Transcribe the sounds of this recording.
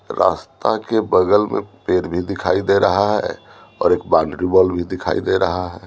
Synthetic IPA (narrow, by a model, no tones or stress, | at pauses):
ɾʔa̰st̪akebəɡəlmʔḛpeɾbʱid̪ikʰaid̪eɾəɦaɦɛ̰ | ɔ̰ːɾekbãnɖɾibɔlbʱid̪ikʰa̰id̪eɾəɦaɦɛ